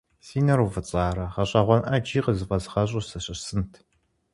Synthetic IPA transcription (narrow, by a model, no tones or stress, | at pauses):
siːnɐɾuvɨt͡sʼaːɾɐʁɐɕʼɐʁʷɔnʔɐd͡ʒiːqəzɨfɐzʁɐɕʼʊsɐɕʼɐsɨntʰ